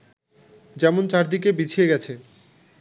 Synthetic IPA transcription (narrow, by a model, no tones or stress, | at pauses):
d͡ʑɛmont͡ɕaɾd̪ik̬ebit͡ɕʰijeɡɛt͡ɕʰe